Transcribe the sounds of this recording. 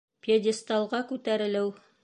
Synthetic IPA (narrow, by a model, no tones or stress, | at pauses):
pʲjodʲɪst̪ɑlˠʁɑkʉt̪æɾɘ̆lɘw